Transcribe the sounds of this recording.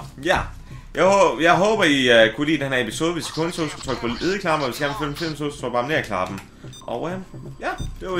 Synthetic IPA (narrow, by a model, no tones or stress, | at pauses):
jæ | jɑ̈ɪhjɑ̈ɪɦɔːb̥ɐikʰulḭːd̥enɐepʰiso̝ːð̞ˠʋesi̥kʰɔnsʰoðˠsɡ̥u̥t͡sʰʁœɡ̥pʰɒ̽iðˠkʰlɑ̈b̥m̩ɒʋesɡ̥æɐnʋføl̥m̩fʰel̰m̩sʰoðˠst͡sʰɒɡ̥̚bɑ̈ːmne̝ɐkʰlɑ̈b̥m̩ | ʔɒʊəmjæd̥e̝